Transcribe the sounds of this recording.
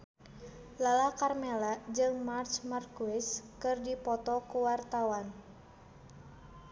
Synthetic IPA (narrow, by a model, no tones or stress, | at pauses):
lalakarmɛlad͡ʒɨŋmart͡ʃmarkuɪskɨrdipɔt̪ɔkuwart̪awan